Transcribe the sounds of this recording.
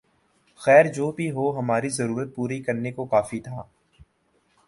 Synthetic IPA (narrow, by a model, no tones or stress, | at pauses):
xɛːɾd͡ʒoːbʱiɦoːɦɐmaːɾizɐɾuːɾət̪̚puːɾikɐɾnekokaːfit̪ʰaː